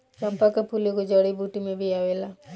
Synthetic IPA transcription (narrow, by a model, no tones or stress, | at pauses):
t͡ʃəmpakapuljokod͡ʒɔɽibʱuʈimẽbʱiaʋela